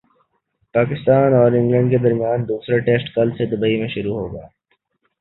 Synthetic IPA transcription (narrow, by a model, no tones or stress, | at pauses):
paːkɪst̪aːnɔːɾɪ̃ŋɡlə̃ɳɖked̪ɐɾmijaːnd̪uːsɾaʈeːsʈkɐlsed̪ʊbəimẽʃʊɾuɦo̰ːɡa̰ː